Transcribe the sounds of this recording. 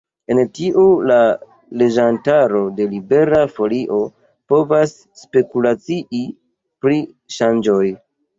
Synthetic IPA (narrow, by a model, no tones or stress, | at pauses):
e̞ntiʔula | le̞d͡ʒantaɾo̞de̞libe̞ɾafo̞liʔo̞ | po̞vasːpe̞kulat͡siʔi | pɾi | ʃand͡ʒo̞j